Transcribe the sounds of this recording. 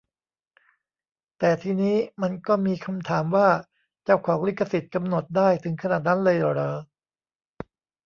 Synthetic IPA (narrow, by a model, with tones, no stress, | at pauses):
t̪ɛː˨˩t̪ʰiː˧niː˦˥ma˧nkɔː˥˩miː˧kʰa˧mt̪ʰaː˩˦mwaː˥˩ | t͡ɕaː˥˩wkʰɔː˩˦ŋli˦˥˩kʰːa˧si˨˩t̪̚ka˧mno˨˩t̪̚daː˥˩jt̪ʰɯ˩˦ŋkʰa˧naː˨˩t̪̚na˦˥nlɤː˧jɾɤː˧˩